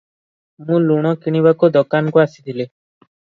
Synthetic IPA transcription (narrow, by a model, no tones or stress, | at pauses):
mũluɽ̃ɔkiɽ̃ibakod̪ɔkankuasi̥t̪ʰile